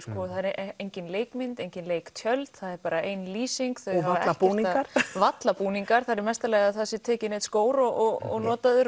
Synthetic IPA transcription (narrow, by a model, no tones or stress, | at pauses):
skɔθaðɛɾejɲcɪnleːjkmɪnt̪ejɲcɪnleːjkt̪ʰjœlt̪θaðɛɾpaːɾaejnliːsiŋkθœhaaaɛlacpuniaɾ̥vat̪lapuːniŋkaɾ̥θaðɾɪɾmɛst̪alɛɣaðθasɪt̪ʰɛːcɪnɪːt̪skoːwɾɔɔɣɔ̰ɣnɔːt̪aðʏɾ